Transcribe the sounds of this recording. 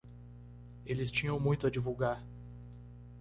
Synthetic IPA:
elɪst͡ʃĩɲɐ̃w̃mũj̃t̪ʊɐd͡ʒivuwɡaɾ

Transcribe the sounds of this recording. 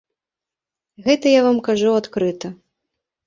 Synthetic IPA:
ɣɛt̪ɐjavamkaʐuat̪kɾɨt̪ɐ

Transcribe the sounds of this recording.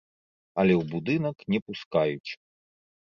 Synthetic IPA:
ɐlʲɛwbud̪ɨnɐknʲɛpuskajut͡ʂ

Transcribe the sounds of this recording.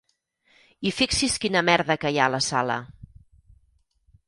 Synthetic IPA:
ifiksiskinəmɛɾðəkəjaləsalə̰

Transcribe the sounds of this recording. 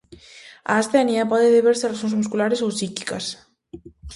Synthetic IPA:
a̰ːst̪ɛniapɔðeðeβeɾserasoŋnzmuskulaɾesowsiki̥kas

